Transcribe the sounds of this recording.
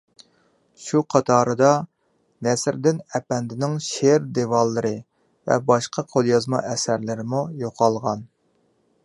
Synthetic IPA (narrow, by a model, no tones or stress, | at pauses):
ʃuqʰɑt̪ʰɑːɾɨd̪ɑ | nɛsɪɾd̪ɪnɛpɛnd̪ɪnɪŋʃeɾd̪evɑlˠːɨɾɨ | vɛ̰bɑʃqʰɑqʰolˠjɑzmɑ̰ʔɛsæɾlɪɾɪmujoqʰɑlˠʁɑn